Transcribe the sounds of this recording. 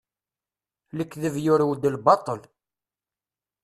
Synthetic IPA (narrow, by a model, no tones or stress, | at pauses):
ləkːðəvjʊɾwd̪əlbɑt̪ˤəl